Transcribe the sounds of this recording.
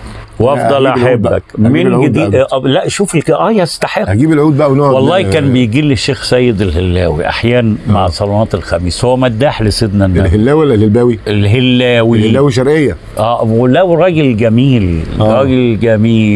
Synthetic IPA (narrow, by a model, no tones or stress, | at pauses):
wʔɑfˤɑlʔaħebːæ̰kmeʕɡɪd̪ilæʔʃuːfelkʔæːjst̪aħehæɡiːbelʕuːd̪̚bæʔæwnowɑlˤːɑːhkæːnbɪjɡiːlːeʃːeːxsæjːɪd̪elhelːæːwḭʔa̰ħjæːnæmaʕsˤɑlɑnɑːt̪elxæmiːshowːæmæd̪ːaːħlɪsɪd̪nænːhelːæːwiwælælhelbæːwiʔelɦelːæːwiæːwiʃ̬ɑɾˤʔejːæ | ʔæːwlːæːwirɾˤɑːɡelɡæmiːlɾˤɑːɡellɡæmiː